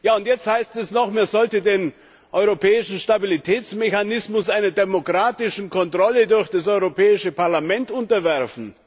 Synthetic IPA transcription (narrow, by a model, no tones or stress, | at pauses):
jaːʊntjɛt͡sthaɪstɛsnɔχmeːɐzɔltədeːn | ʔɔʏʁopʰɛːɪʃn̩ʃtabilitʰɛːt͡smeçanɪsmʊsʔaɪnɐdemokʁ̥aːtɪʃn̩kʰɔntʁ̥ɔlədʊɐçd̥asɔʏʁopʰɛːɪʃəpaɐlamɛntʊntɐvɛɐfn̩